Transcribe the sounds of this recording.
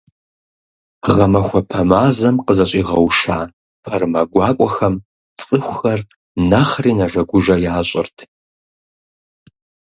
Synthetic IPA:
ʁɐmɐxʷɐpʰɐmaːzɐmqəzɐɕʼiːʁɐwʂaː | pʰɐrmɐɡʷɑːkʷʼɔxɐm | t͡sʼɨxʷʊxɐr | nɐχriːnɐʒɐɡʷʊʒɐjaːɕʼɪrtʰ

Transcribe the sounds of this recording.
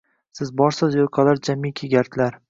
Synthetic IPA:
sɪzbɒɾsɪzjoɾqʰɑlaɾd͡ʒamːikʲʰeɡʲaɾt̪ʰlaɾ

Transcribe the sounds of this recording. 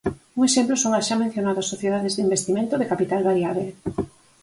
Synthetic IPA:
uŋeʃemplosoŋaʃamẽn̟θjonaðoasoθjeðaðezðimbest̪imẽnt̪oðekapit̪alβaɾjaβe

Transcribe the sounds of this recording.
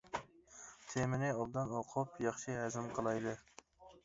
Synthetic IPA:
t̪ʰemɪnɪɑld̪ɨnoqʰʊpjɑχʃiɦæzɪmqʰəlˠɑjd̪ɨ

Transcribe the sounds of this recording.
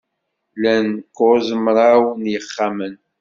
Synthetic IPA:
lænkozəmɾˤawnjəχːamən

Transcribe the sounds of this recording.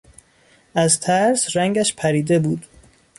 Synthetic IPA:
ʔæzt̪ʰæɾsɾæŋɟæʃpʰæɾiːd̪ebuːd̪̥

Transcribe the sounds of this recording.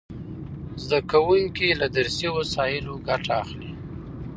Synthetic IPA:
zd̪akawuŋkilad̪aɾsiwasɑjɪloɡaʈ͡ʂaːxli

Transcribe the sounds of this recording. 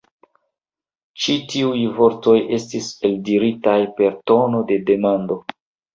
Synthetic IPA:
t͡ʃitiujvo̞ɾto̞jʔe̞stise̞ldiɾitajpe̞ɾto̞no̞de̞de̞mando̞

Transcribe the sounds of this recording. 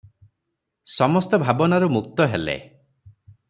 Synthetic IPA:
sɔmɔst̪ɔbʱabɔnaɾumuk̚t̪ɔɦelḛ

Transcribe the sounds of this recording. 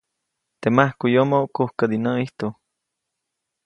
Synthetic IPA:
t̪emahkujomookohkad̪inaiht̪o

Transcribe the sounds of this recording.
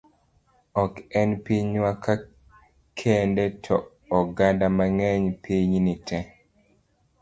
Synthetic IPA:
ɔkɛnpiɲwakʰa | kʰɛndɛtʰɔː | ɡandamaŋɛɲpiɲnitʰɛ

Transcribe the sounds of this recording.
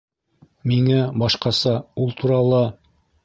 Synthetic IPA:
miŋæbɑʃqɑsɑulˠt̪ʰuɾɑlˠɑ

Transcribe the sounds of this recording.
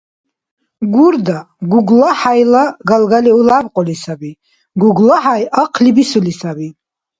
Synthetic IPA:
ɡuɾd̪a | ɡuɡlaħajlaɡalɡaliulabqʼɔlisabi | ɡuɡlaħajaqʰlibisulisabi

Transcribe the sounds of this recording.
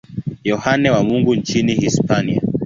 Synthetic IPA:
jɔhanɛwamuŋɡuɲt͡ʃinihispania̰

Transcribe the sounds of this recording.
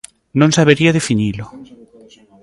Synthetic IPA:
nõnsaβeɾiaðefinilo

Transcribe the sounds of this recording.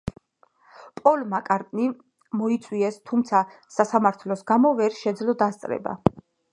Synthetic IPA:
pʼɔlmakʼaɾt̪ʼni | mɔit̪sʼwiɛst̪ʰumt̪sʰa | sasamaɾt̪ʰlɔsɡamɔvɛɾʃɛd̪zlɔd̪ast̪sʼɾɛ̰ba̰

